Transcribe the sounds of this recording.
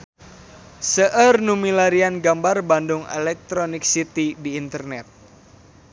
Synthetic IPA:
səʔərnumilaɾianɡambarbandʊŋɛ̰lɛk̚t̪ɾonɪk̚sit̪idiːnt̪ərnɛt̪̚

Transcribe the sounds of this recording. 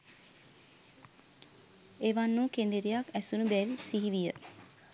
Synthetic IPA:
eʋanːukend̪iɾijakæsunubɛːʋisiɦiʋijə

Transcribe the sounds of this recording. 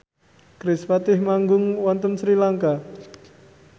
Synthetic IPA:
kɾɪspat̪ɪhmaŋɡʊŋwant̪əmsɾilaŋka

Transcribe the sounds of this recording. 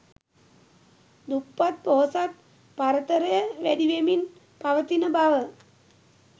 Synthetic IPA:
d̪upːat̪̚poɦosat̪̚ | paɾət̪əɾəjəʋæd̪iʋemin | paʋət̪inəbaʋə

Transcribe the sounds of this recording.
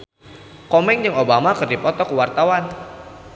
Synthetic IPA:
kɔmɛŋd͡ʒəŋobamakərdipɔt̪ɔkuwart̪awan

